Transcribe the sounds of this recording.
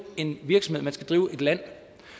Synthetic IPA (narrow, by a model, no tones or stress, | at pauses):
e̝nʋiɐɡ̥sɒ̽mhe̝ð̰ˠmænsɡ̥æd̥ʁiːʊe̝d̥læn̰